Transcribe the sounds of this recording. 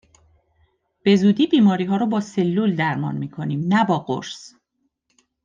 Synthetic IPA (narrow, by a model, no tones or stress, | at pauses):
b̥e̞zuːd̪iːbiːmɒːɾiːɦɒːɾɔbɒːselːuld̪æɾmɒ̰ːnmiːkʰo̞niːmnæbɒːɢo̰ɾs